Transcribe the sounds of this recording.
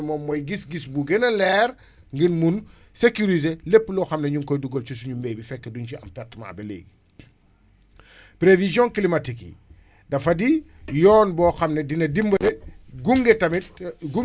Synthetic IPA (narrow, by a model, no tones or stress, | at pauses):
mɔːmːɔjɡisɡisbuɡɛnɐlɛɾ | ŋɡinmun | sekuɾizelepːəlɔxɐmnɐɲuŋkɔjduɡɔlt͡ʃusuɲumbɛːbifɛkːedunt͡ʃiɐ̰mpɛrtma̰ːbɛlḛːɡi | pɾevizjɔ̃nklimatikḭ | dɐfɐdi | jɔːnbɔːxɐmnɐdinɐdimbɐdɛɡuŋɡɛtɐmitɡu